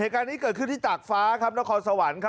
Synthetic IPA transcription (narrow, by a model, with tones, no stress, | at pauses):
heː˨˩t̪̚kaː˧nːiː˦˥kɤː˨˩t̪̚kʰɯ˥˩nt̪ʰiː˥˩t͡ɕaː˨˩k̚faː˦˥kʰa˦˥p̚na˦˥kʰɔː˧nsa˧wa˩˦nkʰa˦